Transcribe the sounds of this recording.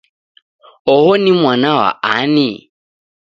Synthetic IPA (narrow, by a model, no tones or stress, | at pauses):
ɔhɔnimwanawa̰ʔa̰ni